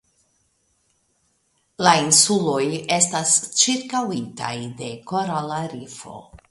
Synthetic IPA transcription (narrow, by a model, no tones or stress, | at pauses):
lainsulo̞je̞stast͡ʃiɾkawita̰jde̞koɾalaɾifo̞̰